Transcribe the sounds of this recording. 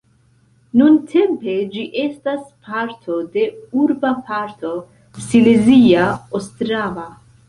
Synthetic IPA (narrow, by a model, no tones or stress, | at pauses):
nuntʰe̞mpe̞d͡ʒiʔe̞staspʰaɾtʰo̞de̞uɾbapaɾtʰo̞ | sileziaostɾava